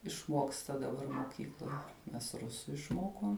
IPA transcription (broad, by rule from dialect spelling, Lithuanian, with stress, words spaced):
ɪʃˈmuɔkstɐ dɐˈbɐr moːˈkʲiːklˠoːj mʲɛs ˈrʊsʊ ɪʃˈmoːkoːm